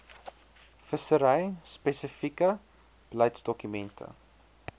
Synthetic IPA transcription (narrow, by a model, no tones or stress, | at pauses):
fəsəɾəjspesəfikə | blɐjtsdɔkymɛntʰə̰